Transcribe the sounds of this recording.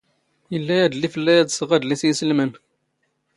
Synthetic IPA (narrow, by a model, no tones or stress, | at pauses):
jəlːæjæd̪lifəlːæjæd̪səʁæd̪lisjəsəlmən